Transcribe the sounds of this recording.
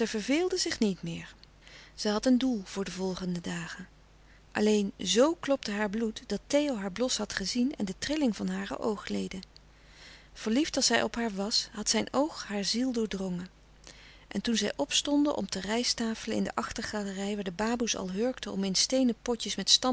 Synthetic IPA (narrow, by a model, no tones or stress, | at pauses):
zɛjvəɹveːlˠdəzɪχnitmɪːɹ | z̥ɛjɦɑtəndulˠv̥ʊːɹdəvɔlˠχəndədaːχən | ʔɑ̰lejnzowklɔptəɦaːɹblutd̥ɑtejowɦaːɹblɔsɦɑtχəzinɛ̰ndətrɪlɪŋvɑnɦaːrə̰ʔowχlejdə | v̥əɹliftɑlˠsɛjʔɔpɦaːɹʋɑsɦɑtsɛjnowχɦaːɹzilˠdʊːɹdrɔŋə | ʔɛntunzɛjʔɔpstɔndə̰ʔɔ̰mtərɛjstaːfələɪ̰ndə̰ʔɑχtəɹχaːlərɛjʋaːɹdəbaːbusɑ̰lˠɦøɹktəɔmɪnstejnəpɔtəsmɛtstɑ